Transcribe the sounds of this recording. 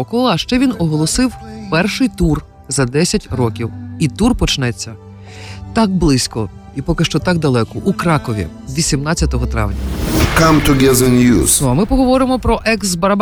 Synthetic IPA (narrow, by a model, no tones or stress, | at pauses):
ɔkɔlˠɐʃt͡ʃɛʋʲinɔɦɔlˠɔsɪwpɛrʃɪjt̪ur | zɐd̪ɛsʲɐtʲrɔkʲiwit̪urpɔt͡ʃnɛt͡sʲːɐ | t̪ɑk̚blˠɪsʲkɔ | ipɔkɪʃt͡ʃɔt̪ɑk̚d̪ɐlˠɛkɔʔukɾɑkɔʋʲḭ | ʋʲisʲimnɑt͡sʲːɐt̪ɔɦɔt̪ɾɑ̰ʋnʲɐ̰kãmt̪ʰʊɡɛzɪnjṵːzɐmɪpɔɦɔʋɔɾɪmɔpɾɔʔɛksbɐɾɐb